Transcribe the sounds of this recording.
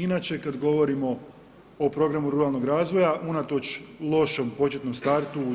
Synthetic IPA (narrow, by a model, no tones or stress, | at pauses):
inat͡ʃe̞kad̪ɡo̞ʋo̞ɾimo̞ | opɾo̞ɡɾamuɾuɾalˠno̞ɡɾaːzʋo̞jaʔunat̪o̞t͡ʃlˠo̞ʃo̞mpo̞t͡ʃe̞t̪no̞mst̪aɾt̪u